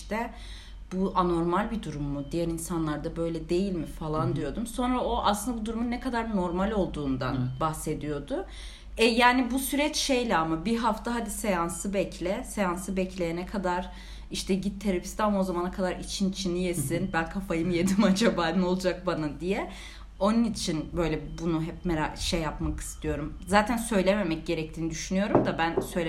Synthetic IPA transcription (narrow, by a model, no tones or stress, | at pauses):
t̪ʰɛ | buano̞ɾmalʲbid̪uɾumːud̪ijæɾinsanlˠaɾd̪abø̞jlʲɛd̪e̞jilʲmifalˠand̪ijo̞d̪umso̞nɾaoʔaslɯnd̪abud̪uɾumunːɛkʰad̪aɾno̞ɾmalʲo̞lˠd̪uːnd̪a̰nbahse̞d̪ijo̞d̪ʊ | ɛjaːnibusyɾɛt͡ʃʃejlʲɛamabiɦaft̪ʰaɦad̪isejansɯbɛcʰlʲɛsejansɯbɛclʲejenɛkʰad̪aɾ̥ | iʃt̪ʰɛɟit̪ʰːeɾepi̥st̪amo̞zamanakʰad̪aɾit͡ʃʰint͡ʃʰinijessinbænkʰafajɯmjed̪imad͡ʒabaːnɯno̞lˠd͡ʒak̚banad̪ijɛ | o̞nunit͡ʃʰinbø̞jlʲɛbunuɦɛpmeɾaʃejːapmaki̥st̪ʰijo̞ɾum | zaːt̪ʰænsø̞jlʲeme̞mɛc̚ɟe̞ɾɛc̚t̪ʰiːnid̪yʃynyjo̞ɾumd̪abænsøjlʲe